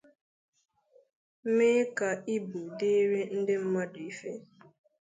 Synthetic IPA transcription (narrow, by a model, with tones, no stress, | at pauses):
meː˦ka˨i˦bu˨dɪ˦ɾe˦n̩˦dɪ˦m̩˦ma˦dʊ˨i˦fe˦